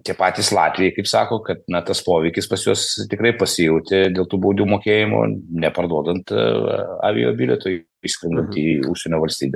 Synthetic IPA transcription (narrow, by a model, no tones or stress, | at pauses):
t̪ʲiɛpɑːt̪ʲiːslˠɑːt̪ʲʋʲɪjɛɪkɐɪpsɑːkoːkɐt̪̚nɐt̪ɐspoːʋʲɛɪkʲɪspɐsjoɔst̪ʲɪkɾɐɪpɐsʲɪjɛʊt̪ʲɪd̪ʲeːlˠt̪uːboːd̪ʲuːmoːkʲeːjɪmo̰nʲɛpɐrd̪uɔd̪ɐnt̪ | ɑ̰ːʋʲɪ̰jo̰ːbʲiːlʲɛt̪ʊj | isʲkɾʲɪnd̪ɐnt̪ʲiːuʃʲsʲɛnʲoːʋɐlʲsʲt̪ʲiːbʲɛ